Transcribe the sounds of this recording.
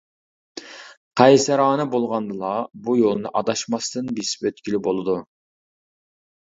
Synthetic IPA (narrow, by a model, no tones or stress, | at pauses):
qʰɑjsɨɾɑːnɨbolˠʁɑnd̪ɨlˠɑbujolˠnɨʔɑd̪ɑʃmɑst̪ɨnbispøt̪̚kʲilɪbolˠɨd̪u